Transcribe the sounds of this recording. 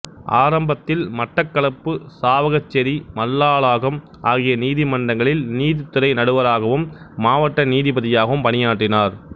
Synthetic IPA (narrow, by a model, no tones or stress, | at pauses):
ʔa̰ːɾɐmbɐt̪ːɪlmɐʈːɐkːɐɭɐpːɯsaːʋɐɣɐt͡ʃːɛɾimɐlːaːɭaːɣɐm | ʔaːɣɪjɐniːðimɐɳɖɐŋɡɐɭɪlniːðɪt̪ːɯɾɐɪnɐɽɯʋɐɾaːɣɐʋɯmː | aːʋɐʈːɐniːðipɐðɪjaːɣɐʋɯmpɐnɪjaːʈrɪnaːɾ